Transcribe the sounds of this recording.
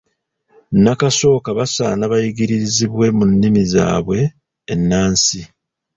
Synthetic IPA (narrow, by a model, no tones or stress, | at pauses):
nakaso̞ːkaβasaːnaβajiɡiɾiɾiziβwe̞munːimiza̰ːβwe̞ː | nːaːnsi